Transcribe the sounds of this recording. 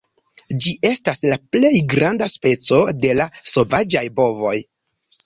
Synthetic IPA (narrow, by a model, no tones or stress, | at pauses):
d͡ʒiʔe̞staslaple̞jɡɾandaspe̞t͡so̞de̞laso̞vad͡ʒajbo̞vo̞j